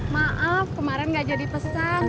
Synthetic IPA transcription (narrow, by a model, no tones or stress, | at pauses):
maʔafkəmaɾɛnɡad͡ʒadipəsa